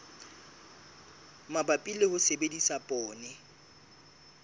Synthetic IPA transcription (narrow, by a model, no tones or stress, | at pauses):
mabapʼilehʊsebedisapʼɔːnɛ